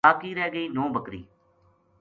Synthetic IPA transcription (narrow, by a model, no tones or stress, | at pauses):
aːkiːɾɛːɡəiːnõːbəkɾḭː